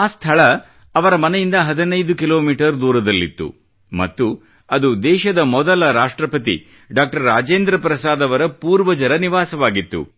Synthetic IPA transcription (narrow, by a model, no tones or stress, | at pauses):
aːst̪ʰɐɭɐ | ɐʋɐɾɐmɐnɛjind̪ɐɦɐd̪inɐjd̪ukilo̞ːmiːʈɐɾd̪uːɾɐd̪ɐlːḭt̪ːṵ | mɐ̰t̪ːu | ɐd̪ud̪ɛːʃɐd̪ɐmɔd̪ɐlɐɾaːʂʈɾɐpɐt̪ḭ | ɖaːk̚ʈɐɾːaːd͡ʒeːnd̪ɾɐpɾɐsaːd̪ɐʋɐɾɐpuːɾʋɐd͡ʒɐɾɐniʋaːsɐʋaːɡit̪ːṵ